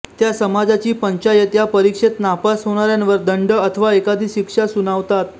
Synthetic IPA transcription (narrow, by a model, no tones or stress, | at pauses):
t̪jasəmad͡zat͡ɕiːpəɲt͡ɕajət̪japəɾikʂet̪napasɦoɽ̃aɾjanʋəɾd̪əɳɖəət̪ʰəʋaekad̪ʱiːɕikʂasunaʋt̪at̪